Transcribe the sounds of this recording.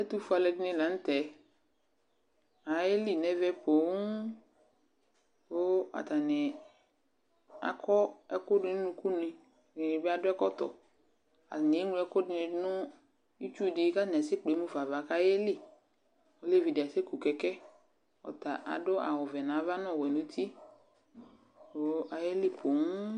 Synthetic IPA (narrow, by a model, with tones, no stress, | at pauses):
ɛ˦tu˦fu˨˦a˨lɛ˨dɪ˦nɪ˦la˨˦n̩˦tɛ˨ | a˨je˦li˦˨nɛ˨vɛ˦po˨˦ | bʊ˦a̰˨ta˨nɪ˨ | a̰˨kʰɔ˦ɛ˦kʊ˦dɪ˨˦n˦nʊ̃˨ku˦nɪ˨ | ɪ˨ɪ˨bɪ˦a˦dʊ˦ɛ˦kɔ˦tɔ̰˨ | a̰˨nɪ˨e˦ŋu˦ɛ˦kʊ˦dɪ˨nɪ˨˦nʊ̃˦ | i˦t͡ʃu˦˨dɪi˨˦ka˦˨n˨ɛ˨sɪ˦k͡pe˨˦mu˦fa˨va˨ka˦jɛ˦lɪ˦ | o˦le˦vi˨dɪ˨a˨se˦ku˨kɛ˨kɛ˦ | ɔ̰˨ta˨ʔa̰˨dʊ˦a̰˨wʊ˨vɛ˨nã˨˦va˦nʊ˦˨wɛ˨nʊ̃˨˦t̪ʰi˦ | o˨˦a˨jɛ˦lɪ˦pʰo˨˦ŋ˦